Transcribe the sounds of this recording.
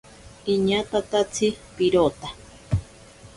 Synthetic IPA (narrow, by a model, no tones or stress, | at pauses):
iɲat̪at̪at͡sʰipiɾot̪ḁ